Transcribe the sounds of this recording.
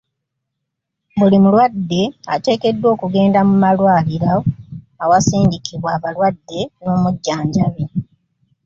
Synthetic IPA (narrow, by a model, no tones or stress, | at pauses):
bulimulwadːe̞ate̞ːke̞dːwo̞ːkuɡe̞ːndamumalwaːliɾaː | wasiːɲɟikiβwaːβalwadːe̞no̞ːmuɟːaːɲɟaβe